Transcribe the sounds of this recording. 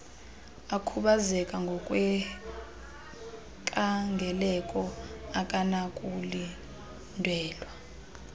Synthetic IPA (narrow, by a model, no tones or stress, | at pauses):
akʰuɓazɛkʼaŋɡʱɔkʼwɛ | kʼaŋɡʱɛlɛkʼɔakʼanakʼuli | ndʱwɛːlwa